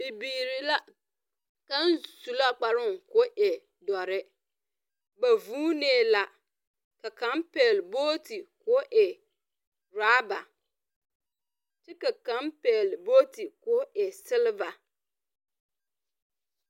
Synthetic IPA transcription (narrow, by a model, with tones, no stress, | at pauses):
ɪ˨biː˨ɾi˨la˦ | ka˦nsu˨la˦k͡pa˨ɾʊ˦˨ŋkʊ˦ʔɛ˨ | dɔ˨ɾɪ˦ | ba˨vuː˦neː˦˨la˨ | ka˨ka˨˦mpɛ˨lboː˦ti˨kʊ˨˦ʔɛ˨ | ɾaː˦ba˨ | t͡ʃɪ˦ka˨ka˨˦mpɛː˨lboː˦ti˨kʊ˨˦ʔɛ˨sɪ˦lva˨